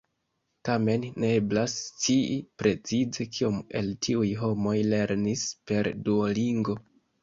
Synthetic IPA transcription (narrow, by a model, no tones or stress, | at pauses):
tame̞nneblast͡siipɾe̞t͡sizekʰiome̞̰ltʰiujɦo̞mo̞jle̞ɾnispe̞ɾduoliŋɡo̞